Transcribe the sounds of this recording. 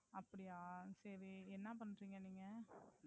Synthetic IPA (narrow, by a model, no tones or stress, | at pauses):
ɐpːɐɽɪjaːsɐɾiɛnːɐp̬ɐnːɾiːŋɡɐniːŋɡɐ